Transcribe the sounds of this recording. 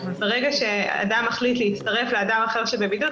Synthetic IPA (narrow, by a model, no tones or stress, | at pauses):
beʁeɡaʃe̞a̰dameχlit̪leitst̪aʁe̞fleadamaχe̞ʁʃebebidu